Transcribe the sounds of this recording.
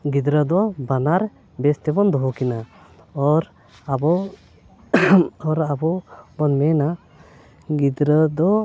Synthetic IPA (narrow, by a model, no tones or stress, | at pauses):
ɡid̪ɾəd̪ɔbanaɾ | bɛst̪ɛbɔnd̪ɔɦɔkina | ɔɾ | abɔ | ɔɾabɔbɔnmɛna | ɡid̪ɾəd̪ɔ